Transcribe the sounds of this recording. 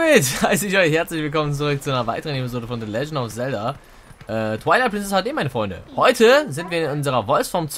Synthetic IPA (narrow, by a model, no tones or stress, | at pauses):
ɪthaʏsəɪçɔʏçhɛɐt͡slɪçv̥ɪlkʰɔmənt͡suʁʏk̚t͡suʔaɪnɐva̰ɪtəʁənɛpizoːdəfɔndeːlɛd͡ʒn̩aʊfz̥ɛldɐ | ʔɛːtʰw̥aɪlaɪplɪnsɛshaːdeːmaɪnəfʁɔʏndə̰hɔʏtʰəzɪntv̥iːɐɪnʊnzəʁɐvɔlsfɔɐmt͡s